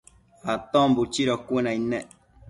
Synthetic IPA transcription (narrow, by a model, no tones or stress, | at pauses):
at̪ɔ̃mbut͡ʃiɾɔkwenãinɛ̃ʔ